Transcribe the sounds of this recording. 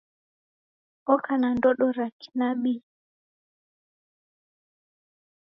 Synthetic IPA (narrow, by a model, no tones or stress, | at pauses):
ɔkʰanandɔɗɔɾaki̥naɓi